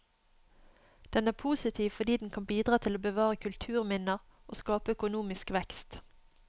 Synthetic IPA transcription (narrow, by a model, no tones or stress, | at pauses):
d̪̥ɛnæːpʰuːsɪt̪ʰiːʋfɔd̪iːd̪n̩kʰɑnbiːd̪ʁɑːt̪ʰɪloːbəʋɑːʁəkʰʉlt̪ʰʉːʁmɪnəʁʔoːskɑːpəœkʊnuːmɪskʋɛkst̪